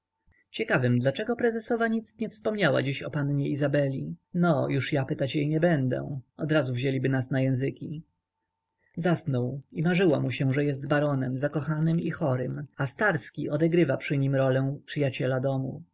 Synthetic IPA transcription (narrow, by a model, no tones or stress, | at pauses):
t͡ɕɛkavɘmd̪lat͡ʂɛɡɔpɾɛzɛsɔvaɲit̪sɲɛfspɔmɲawa̰d͡ʑiɕɔpanɲɛizabɛlʲinɔjuʂjapɘt̪at͡ɕjɛjɲɛbɛnd̪ɛ̰ɔd̪ɾazuvʑelʲibɘnasnajɛ̃w̃zɘkʲi | zasnɔwimaʐɘwamuɕɛ̃ʐɛjɛst̪baɾɔnɛmzakɔxanɘmixɔɾɘmast̪aɾskʲiʔɔd̪ɛɡɾɘvapʂɘɲimɾɔlɛ̃pʂɨjat͡ɕɛlad̪ɔmṵ